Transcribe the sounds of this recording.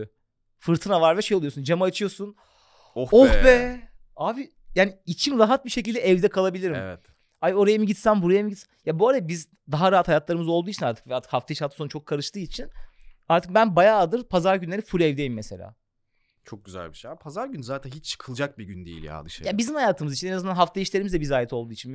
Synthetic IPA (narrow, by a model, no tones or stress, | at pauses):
fɯɾt̪ʰɯnavaɾvɛʃe̞jolˠujosund͡ʒamɯat͡ʃʰɯjo̞sun | ohbɛ | aːbi | jaːniit͡ʃʰimɾaɦat̪̚biʃecilʲd̪ɛɛvd̪ɛkʰalˠabilʲiɾimɛ̰vɛt̪ | ajo̞ɾajamɯɟit̪sænbuɾajamɯɟit̪snjabualɛbiz | d̪aɦaɾaɦat̪hajat̪lˠaɾɯmɯzo̞lˠd̪uːit͡ʃʰinaɾt̪ʰɯkvɛjaɾt̪ʰɯ̥khaft̪ʰajiʃhaasonut͡ʃʰo̞kʰːaɾɯʃt̪ɯːit͡ʃʰinaɾt̪ʰɯk̚bænbajaːd̪ɯɾpʰazaɾɟynlʲe̞ɾifuɾɛvd̪ejimːese̞lʲa̰ː | t͡ʃʰo̞k̚ɟyzæ̰lʲbiʃejabpʰazaɾɟynzaːt̪ʰænɦit͡ʃt͡ʃʰːɯ̥kʰɯlˠd͡ʒak̚biɟynd̪ḛjḭlʲja̰d̪ɯ̰ʃɯ̰jabizimhajaːt̪ʰɯmɯzit͡ʃʰinenazɯnd̪anɦaft̪ʰajiʃlʲeɾimizd̪ɛbizaːjɛt̪ʰo̞lˠd̪uːit͡ʃʰin